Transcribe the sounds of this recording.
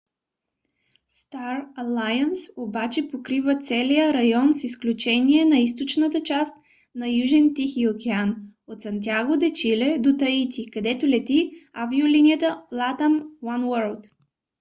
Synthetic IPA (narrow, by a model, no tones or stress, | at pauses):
st̪aɾɐlˠajənsobat͡ʃɛpokɾivət̪sɛlijəɾɐjɔnsisklʲut͡ʃɛniɛnɐis̬t̪ot͡ʃnət̪ət͡ʃast̪ | nɐjuʒɛnt̪ixiokɛanot̪sɐnt̪̬ʲjaɡod̪ɛt͡ʃilɛd̪ot̪ɐit̪ʲikɐd̪ɛt̪olɛt̪iaviolinijət̪əlˠat̪əmwanwəɾlˠt̪